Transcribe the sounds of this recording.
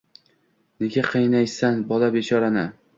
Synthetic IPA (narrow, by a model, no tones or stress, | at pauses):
neɡʲaqʰɨjnajsanbɒlabet͡ʃʰɒɾanɪ